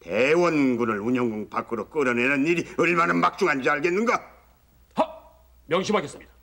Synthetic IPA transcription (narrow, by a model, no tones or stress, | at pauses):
tewʌnɡunɯɭuɲʌŋɡuŋpak͈ɯɾok͈ɯɾʌnenɯniɾiɯɭmanɯnmak̚t͡ɕ͈uŋaɲd͡ʑiaɭɡenːɯnɡʌ | hʌ | mjʌŋɕʰimaɡes͈ɯmɲid̥a